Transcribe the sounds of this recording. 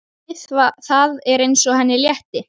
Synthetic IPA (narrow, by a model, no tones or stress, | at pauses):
ɪθvaθaðɛɾejnsɔɦɛnːɪljɛht̪ɪ